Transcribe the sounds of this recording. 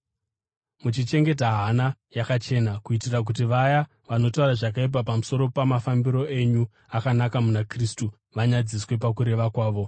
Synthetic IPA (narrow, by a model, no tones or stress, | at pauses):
mut͡ʃit͡ʃe̞ŋɡe̞t̬aɦanajakat͡ʃe̞nakuitirak̬utiʋaja | ʋano̞tauɾaʐak̬aip̬apamuso̞ɾo̞pamafambiɾo̞ʔe̞ɲu | akanakamunakristu | ʋaɲad͡ziswe̞pakuɾe̞ʋakwaːʋo̞